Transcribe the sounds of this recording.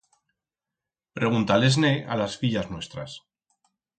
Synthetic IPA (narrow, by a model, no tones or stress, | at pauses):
pɾeɣ̞unt̪aleznea̰lasfiʎaznwe̞st̪ɾa̰s